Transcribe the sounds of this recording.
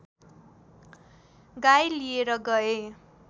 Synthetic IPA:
ɡajlijeɾʌɡʌe

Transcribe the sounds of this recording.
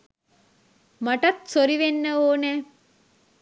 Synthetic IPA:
maʈɐt̪soɾiʋenːəoːnɛː

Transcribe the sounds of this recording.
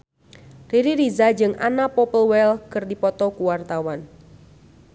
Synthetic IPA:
riɾiɾizad͡ʒɨŋʔa̰napɔpəlwɛlkɨrdipɔt̪ɔkuwart̪awan

